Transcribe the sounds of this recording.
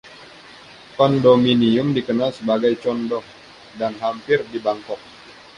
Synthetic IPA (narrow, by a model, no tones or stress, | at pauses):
kɔndɔminiumdikənalsəbaɡajt͡ʃɔndɔh | danɦampɪrdibaŋkɔk̚